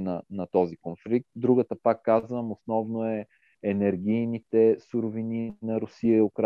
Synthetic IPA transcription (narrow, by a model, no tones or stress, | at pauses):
nɐnɐt̪ɔzikonflik̚t̪̚d̪ɾuɡət̪əpakːazvəmʊsnɔvnoɛ | ɛnɛɾɡ̟ʲijnit̪ɛsuɾʊvininɐɾʊsiəʊkɾ